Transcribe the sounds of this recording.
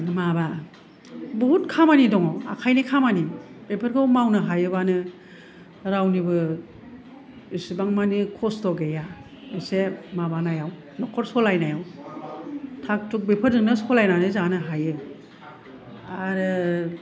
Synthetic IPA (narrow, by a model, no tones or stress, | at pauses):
maba | bɔɦutkʰamanidɔŋɔa̰kʰajnikʰamanib̥epʰɯɾɡawmawnɯɦajɯbanɯ | ɾawnibɯ | isibaŋmanikʰɔstɔɡeja | ɯsemabanajaw | nɔkʰɔɾsɔlajnajaw | tʰak̚tuk̚bepʰɯɾdɯŋnɯsɔlajnanɯzanɯɦajɯ | aɾɯ